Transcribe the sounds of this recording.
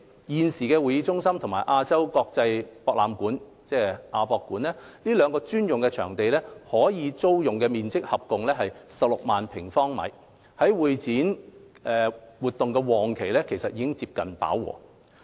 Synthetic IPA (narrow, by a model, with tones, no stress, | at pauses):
jiː˨nsiː˨˩kɛː˧wuː˨˩jiː˧t͡sʊ˥ŋsɐ˥mt̪ʰʊ˨˩ŋmaː˨˩jʔaː˧t͡sɐ˥wkɔː˧k̚t͡sɐ˧jpɔː˧k̚laː˨mkuː˨˥n | t͡sɛː˥˧ʔaː˧pɔː˧kːuː˨˥nɛː˥liː˥lœː˨˧ŋkɔː˧t͡ʃyː˥njʊ˨ŋkɛ˧t͡ʃʰœː˨˩ŋt̪e˨jlɛː˥hɔː˨˥jiː˨˧t͡so˥wjʊ˨ŋkɛː˧miː˨nt͡sɪ˥k̚hɐ˨p̚kʊ˨ŋlɛː˥ɦɐ˨jsɐ˨p̚lʊ˨k̚maː˨npʰɪ˨˩ŋfɔː˥ŋmɐ̰˨˧j | hɐ˨˥jwuː˨jt͡siː˨˥n | ɛ˨wuː˨˩t̪ʊ˨ŋkɛ˧wɔː˨˩ŋkʰe˨˩jlɛː˥kʰe˨˩jsɐ˨t̚iː˧kɪ˥ŋt͡siː˧p̚kɐ˨npa̰ː˨˥wwɔ̰ː˨˩